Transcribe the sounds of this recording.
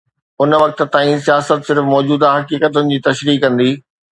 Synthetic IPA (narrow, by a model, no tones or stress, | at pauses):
ʊnʋɐk̚t̪̆t̪ãːĩsijaːsət̪sɪɾfmɔːd͡ʑuːd̪aɦɐkiːkət̪ʊnɪ̆d͡ʑiːt̪ɐʃɾiːkːɐ̃nd̪iː